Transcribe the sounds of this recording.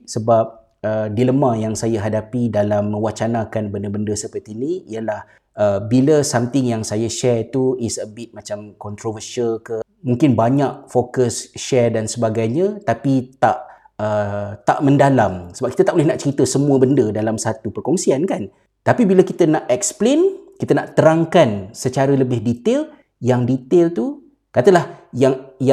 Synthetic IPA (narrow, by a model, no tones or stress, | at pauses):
səbap̚ | ədiləmãjaŋsajaɦadapidalamːə̃wat͡ʃanakanbəndəbəndəsəpərt̪iniiəlah | əbiləsamt̪ɪŋjaŋsajaʃɛrt̪uisəbit̪̚mãt͡ʃamkɔnt̪ɾovərʃəlkə | muŋkɪnbaɲaʔfokəsʃɛrdansəbaɡajɲãt̪apit̪aʔ | ət̪a̰ʔmə̃ndalamsəbapkit̪at̪aʔbolɛhnaʔt͡ʃəɾit̪əsəmuəbəndədalamsat̪upərkɔŋsiankan | t̪apibiləkit̪ənaʔɛksplenkit̪ənaʔt̪əɾaŋkansət͡ʃaɾələbɪhdit̪el | jaŋdit̪elt̪u | kat̪əlahjaŋja